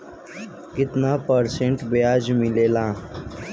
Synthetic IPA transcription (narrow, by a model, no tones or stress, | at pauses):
kɪt̪naːpəɾsẽɳʈbejaːd͡ʒmɪleːlãː